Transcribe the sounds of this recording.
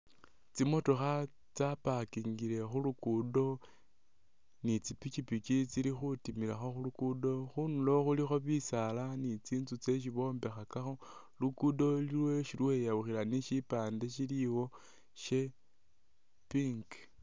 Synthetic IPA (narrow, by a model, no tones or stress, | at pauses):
t͡simo̞to̞xa | t͡sapakiŋɡile̞xulukudo̞ | nit͡sipit͡ʃipit͡ʃit͡silixutimiɾaxo̞xulukudo̞xunulo̞xulixo̞βisalanit͡siːnzut͡se̞ʃ̬iβo̞ːmbe̞xakaxo̞ | lukudo̞lilweʃilwe̞jaβuxilaniʃipaːndeʃiliwo̞ | ʃe̞ | piŋɡ